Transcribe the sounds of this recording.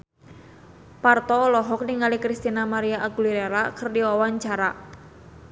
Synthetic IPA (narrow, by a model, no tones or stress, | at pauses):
part̪ɔlɔɦɔk̚niŋalikɾist̪inamaɾiaʔaɡuliɾeɾakərdiwawaɲt͡ʃaɾa